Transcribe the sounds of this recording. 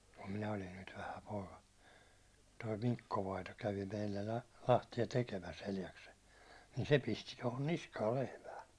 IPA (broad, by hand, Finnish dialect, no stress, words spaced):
kum minæ olin nyt ʋæhæ poːkɑ toi mikːo ʋɑito kæʋi meilːæ lɑ lɑhtiɑ tekemæs eljɑksel nin se pisti tohon niskɑːl lehmæː